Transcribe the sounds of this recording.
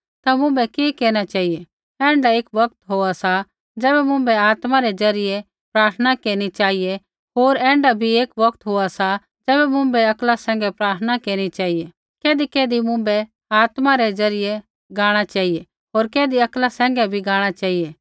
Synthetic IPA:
t̪amʊ̃mbɛkeːkeːñat͡ʃaːɦije | ɛ̃ːɳɖaeːkʋɐk̚t̪ɦoːasa | d͡ʒɛːbɛmʊ̃mbɛaːt̪maɾed͡ʒɐɾɪje | pɾaːɾt̪ʰənakeːñit͡ʃaːɦije | ɦoːɾɛ̃ːɳɖabʱieːkʋɐkt̪ɦoasa | d͡ʒɛːbɛmʊ̃mbɛɐklasɛ̃ːŋ̆ɡɛpɾaːɾt̪ʰənakeːɽ̃it͡ʃaːɦije | keːd̪ikeːd̪imʊ̃mbɛ | aːt̪maɾed͡ʒɐɾɪje | ɡaːɽ̃at͡ʃaːɦije | ɦoːɾkeːd̪iɐklasɛ̃ːŋɡɛbʱiɡaːɽ̃at͡ʃaːɦijeː

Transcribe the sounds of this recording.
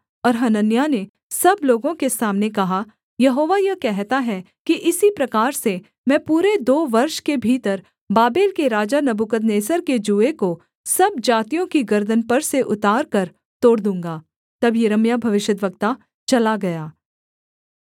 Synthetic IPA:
ɔːɾɦɐnənjane | sɐbloːɡõkesaːmnekɐɦa | jɐɦoːʋajɐkɛɦt̪aɦɛ | kiʔɪsipɾɐkaːɾse | mɛ̃ːpuːɾed̪oːʋɐɾʃkebʱiːt̪əɾ | baːbeːlkeɾaːd͡ʒanɐbukəd̪neːsəɾked͡ʒuːeko | sɐb̚d͡ʒaːt̪ijõkiɡɐɾd̪ənpɐɾseʔʊt̪aːɾkɐɾ | t̪oːɽd̪ũːŋɡaː | t̪ɐbjɐɾəmjabʱɐʋɪʃjəd̪ʋəkt̪a | t͡ʃɐlaɡɐjaː

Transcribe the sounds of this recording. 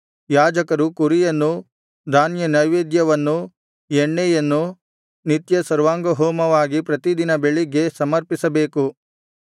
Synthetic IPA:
jaːd͡ʒɐkɐɾukuɾijɐnːu | d̪ʱaːnjɐnɐjʋeːd̪jɐʋɐnːu | jɛɳːɛjɐnːu | nit̪jɐsɐɾʋaːŋɡɐɦɔːmɐʋaːɡipɾɐt̪id̪inɐbeɭiɡe̞sɐmɐɾpisɐbe̞ːku

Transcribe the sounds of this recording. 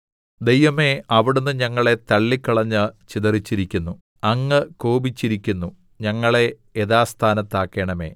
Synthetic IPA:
d̪e̞jʋɐme̞ɐʋiɽunːɨɲɐŋːɐɭe̞t̪ɐɭːikːɐɭɐɲːɨt͡ɕiðɐrit͡ɕːiɾikʲːunːu | ɐŋːɨkoːbit͡ɕːiɾikʲːunːu | ɲɐŋːɐɭe̞ː | ðaːst̪ʰaːnɐt̪ːaːkːe̞ːɳɐme̞̰ː

